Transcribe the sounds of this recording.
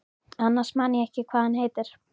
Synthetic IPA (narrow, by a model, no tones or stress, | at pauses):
anːaɾ̥smaːnɪɛhcɪkʰvaːhanheːjt̪ɪɾ̥